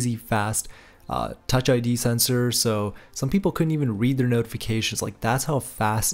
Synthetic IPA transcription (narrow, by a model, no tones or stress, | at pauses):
zifæs | ʔʌ̰ʌt͡ʃaɪdisɛ̃nsə˞soʊsʌ̃mpipl̩ˠkʰʊdⁿn̩tivɨ̃n̩ɹid̪̚ðə˞noʊɾəfɨkʰeɪʃɨ̃n̩z̥la̰ɪk̚ðætshaʊfæst